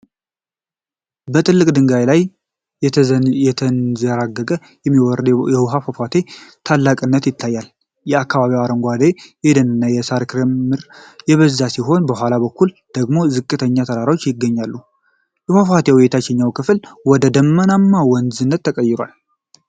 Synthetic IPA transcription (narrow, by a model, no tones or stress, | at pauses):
bət̪ʰʼɨlːɨkʼd̪ɨŋɡajlaj | ɛt̪ʰənzəɾaɡːəkʼə | jɛmːiwɔɾd̪jɛwɦafafat̪ʰe̞t̪ʰalːakʼɨnːət̪jɪt̪ʰːajːal | jɛakːaβaβiwaɾəŋɡʷad̪ejɛd̪ənɨnːajɛsaɾkʰɾemːɨɾjɛβəzːasiɦo̞nbəhʷalaβəkʰːul | d̪̥əɡmo̞zɨkʼːɨt̪ʰəɲːat̪ʰəɾaɾawot͡ʃːjɪɡːəɲːalːu | jɛhafat̪ʰewɔjɛt̪ʰat͡ʃːɛɲːawkʰɨflwɔd̪əd̪əmːənamːawɔnzɨnːət̪ːəkʼəjːɪɾwa̰l